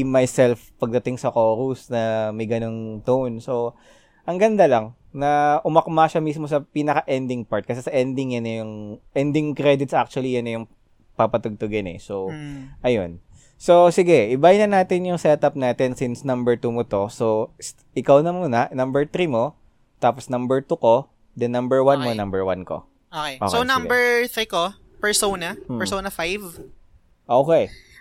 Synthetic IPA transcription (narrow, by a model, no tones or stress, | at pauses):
majsɛlfpɐɡ̚d̪ɐt̪ɪŋsɐkoːɾusnɐmɐjɡɐnoŋt̪onso̞ | ʔɐŋɡɐnd̪alɐŋ | nɐʔʊmɐkmaʃamismo̞sɐpiːnɐkɐʔɛnd̪ɪŋpaɹt̪̚kɐsɛsɐʔɛnd̪ɪŋjɐnɛjʊŋʔɛnd̪ɪŋkɾɛd̪ɪt̪sʔak̚t͡ʃʊwɐlijɐnɛjʊŋ | papɐt̪ʊɡ̚t̪ʊɡɪnɛ̰so̞ʔɐjon | sosɪɡɛʔɪbajɪnɐnaːt̪ɪnjʊŋsɛt̪ɐp̚naːt̪ɪnsɪnsnɐmbɛɹt̪umot̪o̞so | ʔɪkawnɐmuːnɐnɐmbɛɹt̪ɾimo̞ | t̪aːposnɐmbɛɹt̪uko̞ | d̪ɛnːɐmbɛɹwanmonɐmbɛɹwa̰nko̰ | ʔoːkejʔo̰kskonɐmbɛɹθɾiːko | pɛɹsownɐɛɹsownɐfajv | ʔoːkɛj